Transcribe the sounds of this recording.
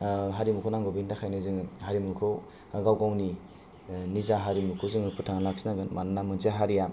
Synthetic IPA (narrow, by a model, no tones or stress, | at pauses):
ɦaɾimukʰɔnaŋɡobintakʰajnɯzɯŋhaɾimulkʰɯw | ɡawɡawni | nizaɦaɾimukʰɯzɯŋɯpɯtʰaŋalak̚sinaɡɯnmannamɯnzaɦaɾija